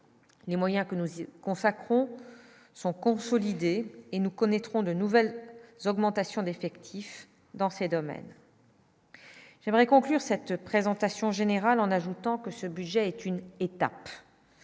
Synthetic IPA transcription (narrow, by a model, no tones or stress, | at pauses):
lemwajɛ̃kənukɔ̃sakχɔ̃ | sɔ̃kɔ̃sɔlid̪eenukɔnɛt̪χɔ̃d̪ənuvɛlzɔɡmɑ̃t̪asjɔ̃d̪efɛkt̪ʰif | d̪ɑ̃sed̪ɔmɛ̰n | ʒɛmʁɛkɔ̃klyʁsɛt̪pχezɑ̃t̪asjɔ̃ʒeneʁalɑ̃naʒut̪ɑ̃kəsəbyd̪ʒɛːt̪ynet̪a̰p